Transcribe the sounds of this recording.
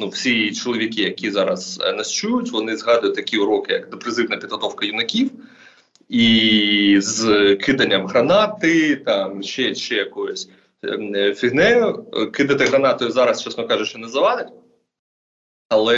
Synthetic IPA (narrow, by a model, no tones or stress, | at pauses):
nuwsʲit͡ʃɔlˠɔʋʲikʲɪjɐkʲizɑɾɐznɐst͡ʃujʊtʲʋɔnɪzɦɑd̪ʊjʊt̪̚ʲt̪ɐkʲiʊɾɔkɪjɐ̰kd̪epɾɪzɪwnɐpʲid̪ɦɔt̪ɔwkɐjʊnɐkʲiw | i | zkɪd̪ɐnʲːɐmɦɾɐnɑt̪ɪt̪ɑmʃɛʃɛjɐkɔjʊsʲ | fʲiɦnɛjʊkɪd̪ɐt̪ɪɦɾɐnɑt̪ɔjʊzɑɾɐst͡ʃɑsnɔkɑʒʊʃɛnɛzɐʋɑd̪ɪtʲ | ɐlˠɛ